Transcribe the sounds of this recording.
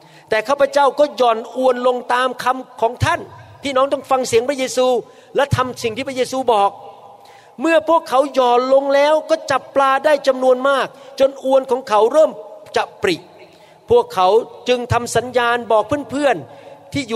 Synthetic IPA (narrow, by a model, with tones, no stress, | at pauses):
t̪ɛː˨˩kʰaː˥˩pʰa˧˥t͡ɕa˥˩wkɔː˥˩jɔː˨˩nʔu˧ənlo˧ŋt̪aː˧mkʰa˧mkʰɔː˩˦ŋt̪ʰa˥˩npʰiː˥˩nɔː˦˥ŋt̪ɔ˥˩ŋfa˧ŋsi˨˩˦əŋpʰɾa˥jeː˧suː˧ | lɛ˦˥wt̪ʰa˧msi˨˩ŋiː˥˩a˥jeː˧suː˧bɔː˨˩k̚ | mɯ˥˩ɐpʰu˥˩əkʰːa˩˦wjɔː˨˩nlo˧ŋlɛː˦˥wkɔː˥˩t͡ɕa˨˩pːlaː˧daː˥˩jt͡ɕa˧mnu˧ənmaː˥˩k̚t͡ɕo˧nʔu˧ənkʰɔː˩˦ŋkʰa˩˦wɾɤː˥˩mt͡ɕa˨˩pɾi˨˩t̚ | pʰu˥˩əkʰːa˩˦wt͡ɕɯ˧ŋt̪ʰa˧msa˩˦njaː˧nbɔː˨˩k̚pʰɯː˥˩˨npʰɯ˥˩ənt̪ʰiː˥˩ju˨